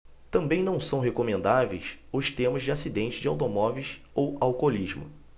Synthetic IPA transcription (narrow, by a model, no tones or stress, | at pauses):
t̪ɐ̃mbẽj̃nɐ̃w̃sɐ̃w̃ɦekomẽnd̪avejsʊst̪ẽmʊzd͡ʒɪasid̪ẽnt͡ʃɪzd͡ʒɪawt̪̬omɔvejs | owawkoliʒmʊ̰